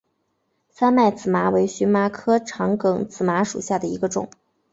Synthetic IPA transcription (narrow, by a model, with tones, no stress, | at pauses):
sa˥nma˥˩ɪt͡sɹ̩˨˩ma˧˥we˧˥ɪɕy˧˥nma˧˥kʰɤ˥ʈ͡ʂʰɑ˧˥ŋkɤ˨˩ŋt͡sɹ̩˨˩ma˧˥ʂṵ˨˩ɕja˥˩d̪ə˩i˧˥ɡə˧ʈ͡ʂʊ̰˨˩˦ŋ